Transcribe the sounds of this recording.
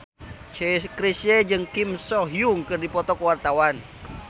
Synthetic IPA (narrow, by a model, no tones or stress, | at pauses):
kɾisɛd͡ʒɨŋkimsɔɦjuŋkɨrdipɔt̪ɔkəwart̪awan